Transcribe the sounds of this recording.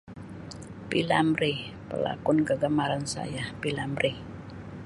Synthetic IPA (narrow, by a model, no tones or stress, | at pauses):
pilamɾi | pəla̰kʊnkəɡəmaɾansa̰japilamɾʔi